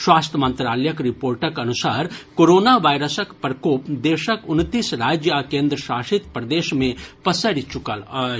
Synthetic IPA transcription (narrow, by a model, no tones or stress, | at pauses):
swaːst̪ʰəmə̃nt̪ɾaːləjəkɾɪpoːɾʈəkɐnʊsaːɾkoːɾoːnaʋaːjɾəsəkpɾəkoːpd̪eːʃəkʊnt̪iːsɾaːd͡ʒjəakẽːnd̪ɾəʃaːʃit̪pɾəd̪eːʃmẽpəsəɾt͡ʃʊkəl